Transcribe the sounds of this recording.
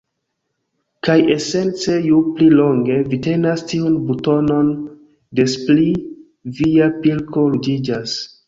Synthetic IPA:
kaje̞se̞nt͡se̞jupliloŋɡe̞vite̞nastiunbuto̞no̞n | de̞spli | viapilko̞lud͡ʒid͡ʒas

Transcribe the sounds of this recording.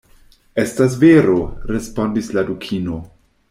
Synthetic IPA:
e̞stas̬veɾo̞ɾespo̞ndisladukʰino̞

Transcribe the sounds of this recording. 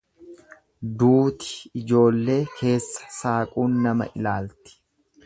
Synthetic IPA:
d̪uːt̪ɪ̥ɪd͡ʒo̞ːlːe̞ːkʰe̞ːsːɐ̥saːkʼuːnːɐmɐ̰ʔɪ̰laːlt̪ɪ̥

